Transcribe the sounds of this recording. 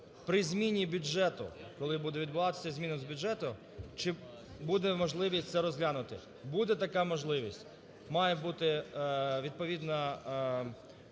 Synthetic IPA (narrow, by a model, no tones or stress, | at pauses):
pɾɪzʲmʲinʲibʲʊd͡ʒɛt̪ʊ̰kɔlˠɪbud̪ɛʋʲid̪̚bʊʋɑt̪ɪ̥sʲɐzʲmʲinɔmzbʲʊʒɛt̪ʊ | t͡ʃɪ | bud̪ɛmɔʒlˠɪʋʲisʲtʲt̪sɛɾɔzʲɦlʲanʊt̪ɪ | bud̪ɛt̪ɐkamɔʒlˠɪʋʲisʲtʲ | mɑjɛbut̪ɪ | ʋʲid̪̚pɔʋʲid̪nɐ